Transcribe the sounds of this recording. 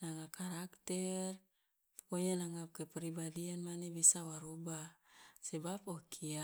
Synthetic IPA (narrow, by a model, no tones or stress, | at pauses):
naŋakaɾakt̪ɛr | poɲanaŋakɛpɛɾibadianmanebisawaɾubasɛbapɔkʰia